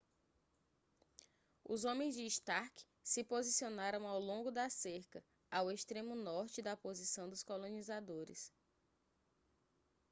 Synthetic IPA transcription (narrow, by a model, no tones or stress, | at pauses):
ʊ̰zõmẽj̃zd͡ʒɪːʃt̪aɾkɪ̥ | sɪpozisionaɾɐ̃w̃awlõŋɡʊd̪ɐseɾkɐ | aweʃt̪ɾẽmʊnɔɾt͡ʃɪd̪ɐpozisɐ̃w̃d̪ʊskolõnizad̪oɾɪ̰s